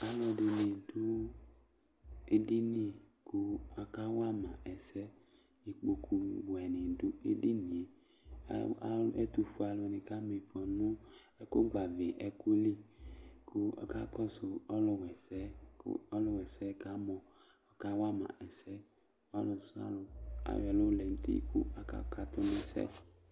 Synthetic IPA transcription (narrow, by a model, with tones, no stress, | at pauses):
a˨lɔ˧de˨ni˨du˦ | e˦di˦ni˦ | ko˦a˨ka˦wa˦mã˨ɛ˨sɛ˦ | i˨k͡po˨kʰu˨bɛ˨nĩ˨du˦ḛ˦di˦nḭ̃˨˦ | ɛ̰˦tu˨fu˦a˨lɔ˨nĩ˨ka˦me˨kɔ˨nʊ˦ | ɛ˦ko˦ɡ͡ba˨vɪ˨ʔɛ˨ku˦li˦kʰʊ˦a̰˨ka˦kɔ˦sʊ˨ɔ˦lʊ˧wɛ˨sɛ˦kɔ˦lʊ˦wɛ˨sɛ˦ka˦mɔ˨ | a˨ka˦wa˦mã̰˨ɛ˨sɛ˦ɔ˦lʊ˨sa̰˦lʊ˨a̰˨wɔ˨lʊ˦lɛ˨n̩˦tḭ˦kṵ˦a˨ka̰˦ka˦tʊ˦nɪ˧sɛ̰˦